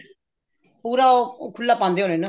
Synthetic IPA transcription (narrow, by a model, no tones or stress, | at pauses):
oɾaokuɭlːap͈andeonenɯ